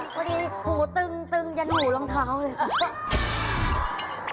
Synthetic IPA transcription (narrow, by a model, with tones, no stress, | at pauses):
kʰɔ˧diː˧˩huː˨˩˦t̪ɯ˧ŋt̪ɯ˧ŋja˧˦nhuː˨˩lɔ˧˦ŋt̪ʰaː˧˦wlɯ˧˦˧